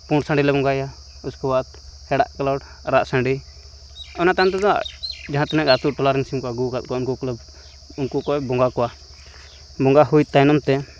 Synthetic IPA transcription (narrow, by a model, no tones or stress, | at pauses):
puɳɖsãɳɖilɛbɔŋɡaja | uskɔbat̪ | hɛɽaʔkalaɽ | ɾaʔsãɳɖi | ɔnat̪ant̪ɛd̪ɔa̰d͡ʒaɦãt̪ɛnɛkat̪uʈɔlaɾinsimkɔaɡukat̪̚kaʊnkukl | unkukɔɛbɔŋɡakɔwa | bɔŋɡaɦuit̪ajnɔmt̪ɛ